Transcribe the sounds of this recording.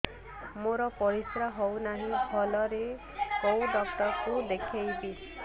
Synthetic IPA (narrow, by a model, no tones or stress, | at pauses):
moɾɔpɔɾisɾaɦownaɦĩbʱɔlɔɾe | kowdɔkʈɔɾkud̪ekʰejbi